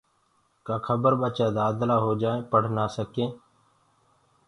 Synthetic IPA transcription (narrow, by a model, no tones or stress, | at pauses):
kaːkʰəbəɾɓət͡ʃaːd̪aːd̪laːɦoːd͡ʒaːẽːpəɽ̤naːsəkẽː